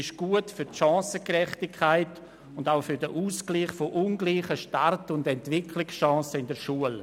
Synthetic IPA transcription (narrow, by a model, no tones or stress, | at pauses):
ɪʃɡ̥uətfʏɾtʃɑ̃ːsəkrɛχtɪkʰːaɪt | ʊndaʊfʏɾdəʔuːskliːχfoʔʊnɡliːχəʃtartʊndɛntvɪkʰlɪksʃɑ̃ːsəɪndəɾʃuəl